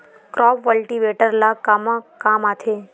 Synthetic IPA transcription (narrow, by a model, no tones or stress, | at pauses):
kɾɔpʋəlʈiʋeʈəɾlakamakaːmat̪ʰe